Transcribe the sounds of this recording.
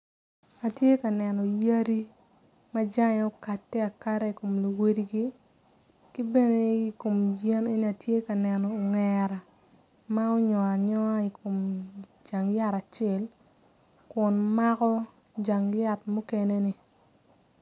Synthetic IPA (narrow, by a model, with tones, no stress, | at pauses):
a˨tje˦ka˨nɛ˨nɔ˨ja˦ɾi˦ | ma˦d͡ʒa˦ŋɛ˨o˦ka˨tːɛ˦a˨ka˦ɾa˦i˨ko˨mli˨we˦di˦ɡi˦ | ki˦bɛ˦ne˦i˨ko˨mje˦ne˦ni˦a˨tje˦ka˨nɛ˨nɔ˨ŋɛɾa˨ | ma˦o˦ɲɔ˨a˨ɲɔ˦i˨kʰo˨md͡ʒa˨ŋja˦ɾa˨t͡ʃɛ˦l | kʊ˨nma˦kɔ˦ | d͡ʒa˨ŋla˦˨tmu˦ke˦ne˦ni˨